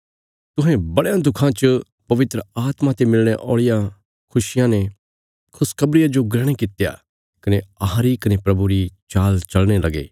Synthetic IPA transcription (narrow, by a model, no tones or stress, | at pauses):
t̪ʊɦɛ̃bɐɽjãd̪ʊkʰãt͡ʃə | pɐʋɪt̪ɾəaːt̪mãt̪emɪlɽ̃eʔɔːɭɪjã | kʰʊʃɪjãne | kʰʊskʰɐbɾɪjad͡ʒoɡɾɛːɽ̃ekɪt̪ja̰ | kɐneɐɦãɾikɐnepɾɐbuɾit͡ʃaːlt͡ʃɐlɽ̃elɐɡḛː